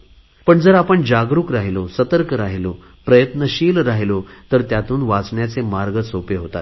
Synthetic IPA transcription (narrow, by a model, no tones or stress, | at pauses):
pəɳd͡zəɾapəɳd͡ʑaɡɾuːkɾaɦilosət̪əɾkəɾaɦilo | pɾəjət̪nəɕiːlɾaɦilot̪əɾt̪jat̪uːnʋat͡sɳjat͡semaɾɡəsopeɦot̪a̰t̪̚